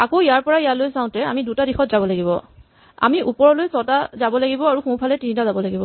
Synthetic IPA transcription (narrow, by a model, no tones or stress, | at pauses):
akojaɹpɔɹajalojsãʊ̃tɛa̰midutadixɔtzabɔlaɡibɔ̰ | a̰miʔupɔɹɔlojsɔtazabɔlaɡibɔaɹuxũw̃pʰalɛtinitazabɔlaɡibɔ